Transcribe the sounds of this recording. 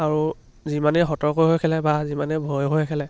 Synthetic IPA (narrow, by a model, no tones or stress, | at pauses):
aɹu | zimanɛɦɔtɔɹkojɦojkʰɛlɛbazimanɛbʱojɦojkʰɛlɛ